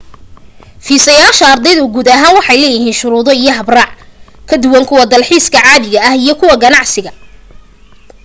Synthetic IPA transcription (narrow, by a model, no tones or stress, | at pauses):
fiːsɐjaːʃɐːrd̪ɛjðʊɡuːdðɐɦaːnwɑħɑjlɛːjɪɦiːnʃʊɾuːðɔijɞɦɐbrɑːʕ | kʰɐd̪ʊwɐŋkʰʊwɐd̪ɐlħiːskʰɐʕɑːβɪɣɐɐhijɞkʰʊwɐɡɐnɑʕsɪɣɐ